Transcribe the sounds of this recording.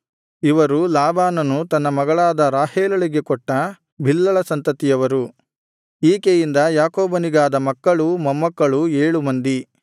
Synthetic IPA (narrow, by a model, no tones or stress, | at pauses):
iʋɐɾulaːbaːnɐnut̪ɐnːɐmɐɡɐɭaːd̪ɐɾaːheːlɐɭiɡe̞kɔʈːɐ | bʱilːɐɭɐsɐnt̪ɐt̪ijɐʋɐɾu | iːkejind̪ɐjaːkoːbɐniɡaːd̪ɐmɐkːɐɭumɐmːɐkːɐɭueːɭumɐnd̪i